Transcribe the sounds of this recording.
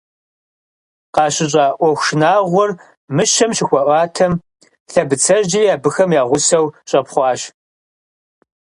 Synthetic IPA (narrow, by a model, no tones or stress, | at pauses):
qɑːɕɪɕ̬ʼɑːʔʷɔxʷʃnaːʁʷɔr | mɨʃɐmʃɪxʷɐʔʷɑːtʰɐm | ɬɐbɨt͡sʰɐʒd͡ʒijaːbɨxɐmjaːʁʷʊsɐwɕʼɐpχʷɑːɕ